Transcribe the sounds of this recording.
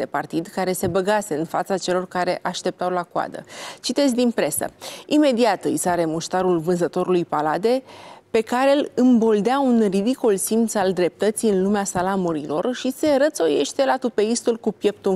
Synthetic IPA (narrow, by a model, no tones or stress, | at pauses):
epart̪id̪kaɾe̞se̞bəɡase̞ɨnfat̪sat͡ʃe̞lo̞rkaɾe̞ʔaʃt̪e̞p̚t̪awlakwa̰d̪ə̰t͡ʃit̪e̞zʲd̪inpɾe̞sə̰ime̞d̪iat̪ɨ̰jsaɾe̞muʃt̪aɾulvɨnzət̪o̞ɾulujpalad̪e̞pe̞kaɾe̞lɨmbo̞ld̪eaunrid̪ikolsimt̪sald̪ɾe̞p̚t̪ət̪sijɨnlumeasalamuɾilo̞rʃise̞ɾət̪so̞je̞̰ʃt̪e̞lat̪upeist̪ulkupje̞p̚t̪u